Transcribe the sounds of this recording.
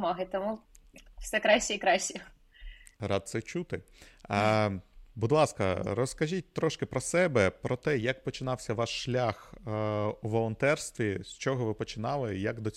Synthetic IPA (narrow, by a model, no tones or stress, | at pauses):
mɔɦɪt̪ɔmu | wsɛkɾɑɕʲiikɾɑɕʲi | ɾɑd̪̚t̪sɛt͡ʃut̪ɪ | bud̪lˠɑskɐ̰ɾɔskɐʒʲit̚ʲt̪ɾɔʃkɪpɾɔsɛbɛpɾɔt̪ɛjɐkpɔt͡ʃɪnɑwsʲɐʋɑʃʃlʲax | uʋɔlˠɔnt̪ɛrst̪ʋʲisʲt͡ʃɔɦɔʋɪpɔt͡ʃɪnɑlˠɪjɐkd̪ɔ